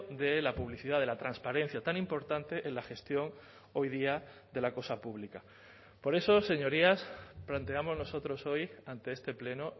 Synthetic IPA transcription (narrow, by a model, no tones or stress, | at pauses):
d̪e̞lapuβliθiðaðe̞lat̪ɾanspaɾẽ̞n̟θjat̪anĩmpo̞ɾt̪ant̪e̞ʔelaxe̞st̪jo̞ŋ | o̞jð̞iaðe̞lako̞sapuβlika | po̞ɾe̞so̞se̞ɲo̞ɾiasplant̪e̞amo̞zno̞so̞t̪ɾo̞so̞jant̪e̞est̪e̞ple̞no